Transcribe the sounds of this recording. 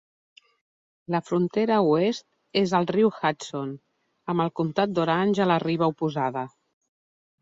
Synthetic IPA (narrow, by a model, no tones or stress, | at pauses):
ləfɾunt̪eɾəuest̪̚ | ezəlˠriwxat͡son | əmbəlˠkunt̪at̪̚d̪oɾanʲʒələriβ̞əupuzaðə